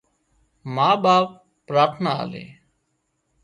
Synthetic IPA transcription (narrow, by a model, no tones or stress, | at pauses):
maːɓaːpː | ɾaːɾt̪ʰnaa̰ːlḛː